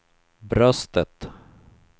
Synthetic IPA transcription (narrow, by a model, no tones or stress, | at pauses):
bɾœst̪ət̪